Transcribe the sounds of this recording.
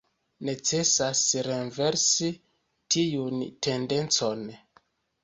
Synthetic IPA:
ne̞t͡se̞sasɾenve̞ɾsi | tijunte̞nde̞nt͡so̞n

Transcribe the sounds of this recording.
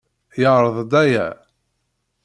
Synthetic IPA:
jəʕɾˤəðˤd̪æjæ̰

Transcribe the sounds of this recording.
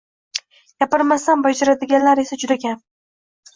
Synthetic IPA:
j̥ʲapɨɾmasanbad͡ʒaɾad̪ɪɡʲanlaɾe̞sad͡ʒʊd̪akʲan

